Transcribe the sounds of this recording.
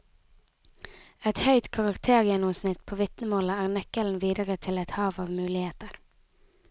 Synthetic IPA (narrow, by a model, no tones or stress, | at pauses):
ɛt̪hœʏt̪kʰɑʁɑkt̪ʰeːʁjɛnʊmsnɪt̪pʰoːʋɪt̪nəmoːləæːʁnɛkəln̩ʋiːd̪əʁət̪ʰɪlɛt̪hɑːʋɑːʋmʉːlɪheːt̪əʁ